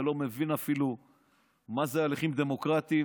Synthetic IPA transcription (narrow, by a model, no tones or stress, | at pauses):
lo̞me̞vinafilu | mazealeχimd̪e̞mo̞kʁat̪i